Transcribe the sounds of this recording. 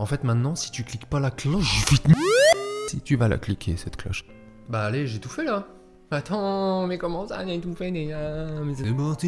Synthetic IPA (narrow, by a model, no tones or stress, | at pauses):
ɑ̃fɛt̪mɛ̃t̪nɑ̃si̥t̪yklikpalaklɔʃfit̪nsit̪yvala̰klikʲʰḛsɛt̪klɔ̰ʃ | baːleʒet̪ufɛla | at̪ɑ̃mɛkɔmɑ̃sa̰jat̪ufɛnejamɛseebɔt̪i